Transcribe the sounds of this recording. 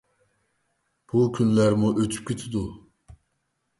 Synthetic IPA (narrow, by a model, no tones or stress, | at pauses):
b̥ukʲʰynlæɾmuʔøt̪ʰy̥p̚kʲʰet̪ʰid̪u